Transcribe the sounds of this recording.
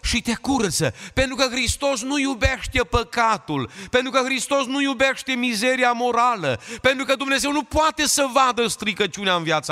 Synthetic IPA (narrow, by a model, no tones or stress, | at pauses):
ʃit̪e̞kuɾt̪zə̰pe̞nt̪ɾukəxɾist̪o̞snujube̞ʃt̪e̞pəkat̪ulpe̞nt̪ɾukəxɾist̪o̞snujube̞ʃt̪e̞mize̞ɾiamo̞ɾaləpe̞nt̪ɾukəd̪umne̞ze̞wnupoat̪e̞səvad̪əst̪ɾiɡət͡ʃuneaɨnvjat̪sa